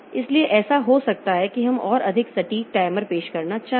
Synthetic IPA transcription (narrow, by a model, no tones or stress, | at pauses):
ɪslieʔɛːsaɦosɐk̚t̪aɦɛkiɦɐmɔːɾɐd̪ʱɪksɐʈiːk̚ʈaːɪməɾpeːʃkɐɾnat͡ʃaː